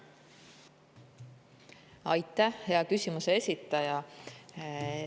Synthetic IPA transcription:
ɑjt̪ːˑæhheɑkysʲimuse̞esʲit̪ːˑɑjɑ

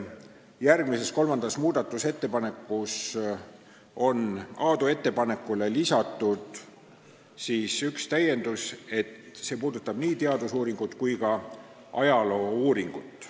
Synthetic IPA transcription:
jærɡ̥mise̞sko̞lmɑnd̪̥ɑsmuːd̪̥ɑt̪ːˑuse̞t̪ːe̞pɑne̞kːus | o̞nɑːd̪ue̞t̪ːe̞pɑne̞kːˑule̞lisɑt̪ːˑud̪̥ | siːsykst̪æje̞nd̪use̞t̪se̞puːd̪ut̪ːˑɑb̥niːt̪eɑd̪usuːɾiŋɡ̥ut̪kujkɑ | ɑjɑlo̞ːuːɾiŋɡ̥ut̪ːˑ

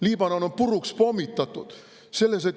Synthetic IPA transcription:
liːb̥ɑnonompuɾukspo̞mːit̪ːˑɑt̪ːˑud̪̥ | se̞lːes̬et̪

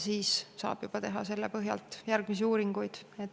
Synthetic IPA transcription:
siːssɑ̰ːb̥jub̥ɑt̪e̞ɦɑ̰se̞lːepɤɦjɑ̰lt̪ˑjærɡ̥misiuːɾiŋɡujd̪̥et̪ː

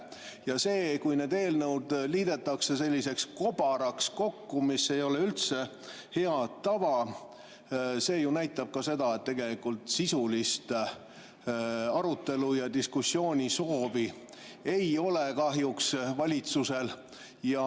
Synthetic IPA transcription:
jɑse̞ːkujne̞ːd̪e̞ːlnəwd̪liːd̪̥e̞t̪ːˑɑkse̞se̞lʲːise̞ksko̞bɑɾɑksko̞kːumisːe̞jo̞le̞ylt̪se | he̞ɑt̪ːɑvɑ | se̞ːjunæjt̪ːˑɑb̥̚kɑse̞d̪ɑet̪ːe̞ɡe̞likult̪sisulist̪ | ɑɾut̪ːˑe̞lujɑd̪iskusːjo̞ːnʲiso̞ːvi | e̞jo̞lekɑɦjuksvɑlʲit̪suse̞l | jɑ

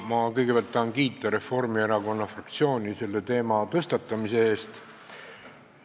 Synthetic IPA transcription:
mɑkɤjɡ̥e̞pæɑlt̪ːɑːnkiːt̪ːˑɑɾe̞fo̞rmieɾɑko̞nːɑfrɑkt̪sio̞ːnʲise̞lːe̞t̪e̞ːmɑt̪ɤst̪ɑt̪ːˑɑmise̞e̞ːst̪

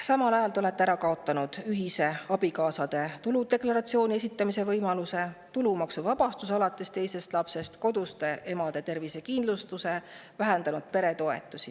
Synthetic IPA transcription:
sɑmɑlɑjɑlt̪eo̞le̞t̪ːeæɾɑkɑo̞t̪ˑːɑnud̪̥yɦise̞ɑb̥ikɑːsɑd̪̥e̞t̪ulud̪̥e̞klɑɾɑt̪sio̞ːnʲie̞sʲit̪ˑːɑmise̞vɤjmɑluse̞t̪ulumɑksuvɑb̥ɑst̪usɑlɑt̪ːˑe̞st̪e̞jse̞st̪lɑpse̞st̪ko̞d̪̥ust̪e̞ʔe̞mɑd̪̥e̞t̪e̞rvise̞kind̪lust̪use̞ | væɦend̪ɑnud̪̥̚pe̞ɾe̞t̪o̞e̞̰t̪ːˑusi

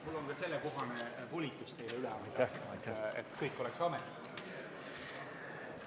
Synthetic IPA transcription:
mulːo̞ŋkɑse̞lːeko̞ɦɑnepolʲit̪ːˑust̪e̞jleylɛɑt̪ːæjt̪ḛt̪ːkɤjkːˑo̞lɛksɑmet̪ː

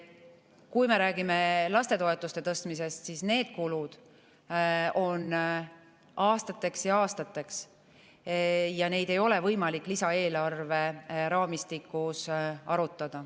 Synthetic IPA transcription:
kujme̞ɾæːɡime̞lɑst̪e̞t̪o̞e̞t̪ːˑust̪e̞t̪ɤst̪mise̞st̪sisne̞ːd̪̥̚kulud̪̥ | o̞n | ʔɑːst̪ɑt̪ːˑe̞ksjɑɑːst̪ɑt̪ːˑe̞ks | jɑne̞jd̪̥e̞jo̞le̞vɤjmɑlikːˑlisɑe̞ːlɑrve̞ɾɑːmist̪ikːusɑɾut̪ːˑɑd̪̥ɑ

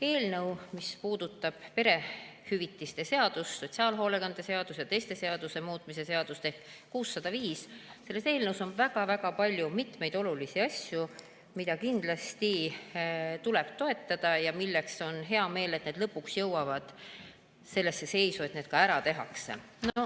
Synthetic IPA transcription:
e̞ːlnɤwmispuːd̪̥ut̪ˑːɑb̥pe̞ɾe̞hyvit̪ːˑist̪e̞se̞ɑd̪̥usːo̞t̪ʲsiɑːlɦo̞leɡɑnd̪̥e̞se̞ɑd̪̥usjɑt̪e̞jst̪e̞se̞ɑd̪̥use̞muːt̪ˑmise̞seɑd̪̥ust̪e̞hkkuːsːɑd̪̥ɑviːsse̞lːese̞ːlnəwso̞nvæɡ̥ɑvæɡ̥ɑpɑlʲjumit̪me̞jd̪̥o̞lulisiɑsʲju | mid̪̥ɑkind̪̥lɑst̪i | t̪ule̞b̥t̪o̞et̪ːˑɑd̪̥ɑjɑmilːe̞kso̞nɦe̞ɑme̞ːlet̪ne̞ːd̪lɤpːuksjɤwɑvɑd̪̥ | se̞lːe̞sːe̞se̞jsue̞t̪ne̞ːd̪̥kɑæɾɑt̪e̞ɦɑ̰ksḛ | no

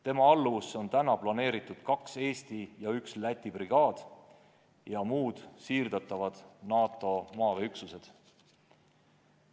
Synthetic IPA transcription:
t̪e̞mɑɑlːuso̞nt̪ænɑplɑne̞ːɾit̪ːˑud̪̥kɑkse̞ːst̪ijɑykslæt̪ʲːˑibriɡ̥ɑːd̪̥ | jɑmuːd̪̥siːrd̪̥ɑt̪ˑːɑvɑd̪̥nɑːt̪ːˑo̞mɑːveyksuse̞d̪̥

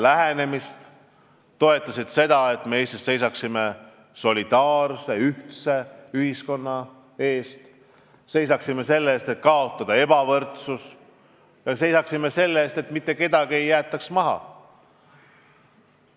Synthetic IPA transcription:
læɦene̞mist̪ | t̪o̞e̞t̪ːˑɑsid̪̥se̞d̪ɑe̞t̪ːˑmeeːst̪esːe̞jsɑksime̞ | so̞lid̪̥ɑːrse̞yht̪se̞yhisko̞nːɑ | e̞ːst̪ | se̞js̬ɑksimːe̞se̞lːeːst̪et̪̚kɑo̞t̪ːˑɑd̪̥ɑe̞b̥ɑvɤ̞rt̪sus | jɑse̞jsɑksime̞se̞lːeːst̪e̞t̪ːmit̪ːe̞ke̞d̪̥ɑɡie̞jːæːt̪ːˑɑksmɑɦɑ̰

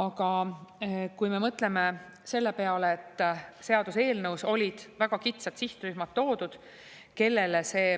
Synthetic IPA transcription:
ɑɡ̥ɑ | kujme̞mɤt̪ˑle̞me̞ | se̞lːe̞pe̞ɑleet̪ːˑse̞ɑd̪̥use̞ːlnɤwso̞lʲid̪̥væɡ̥ɑkit̪sɑt̪siht̪ryɦmɑt̪ːo̞ːd̪̥ud̪̥ | ke̞lːe̞lese̞ː

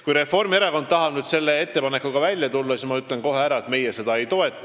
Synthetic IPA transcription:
kujɾe̞fːo̞rmie̞ɾɑko̞nt̪t̪ɑɦɑb̥nyd̪̥se̞lːe̞e̞t̪ːe̞pɑne̞kːˑuɡ̥ɑvælʲjɑt̪ulːɑsismɑyt̪ːˑlenko̞ɦe̞æɾɑet̪me̞jese̞d̪ɑe̞jt̪o̞e̞t̪ˑːu̥

